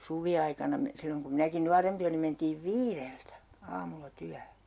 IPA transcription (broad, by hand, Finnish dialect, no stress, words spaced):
suʋiɑikɑnɑ me silːoŋ kum minæki nuɑrempi olim mentiːʋ ʋiːreltæ ɑːmulːɑ tyæhø